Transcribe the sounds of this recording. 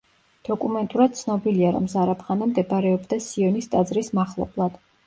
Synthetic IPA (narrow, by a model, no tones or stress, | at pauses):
d̪̥ɔkʼumɛnt̪ʼuɾad̪̚t̪sʰnɔbiliaɾɔ̰mzaɾapʰχanamd̪ɛbaɾɛɔbd̪asiɔnist̪ʼad̪zɾismaχlˠɔ̰blˠad̪̥